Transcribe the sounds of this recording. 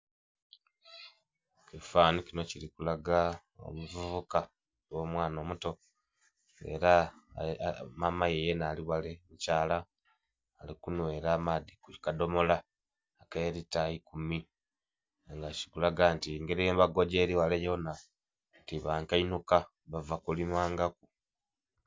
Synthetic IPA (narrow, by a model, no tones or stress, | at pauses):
kifaːnikino̞cilikulaɡa | o̰muvuβuka | wo̞ːmwaːno̞ːmuto̞ | e̞̰ɾa | mamajejenaːliwalemucaːlaː | likunweːɾaːmadikukado̞mo̞laː | keːɾitaikumi | ŋɡaci̥kulaɡantiŋɡeɾieːmβaɡo̞ɟe̞ːɾiwalejona | tiβaːŋkainuka | βavakulimaːŋɡaku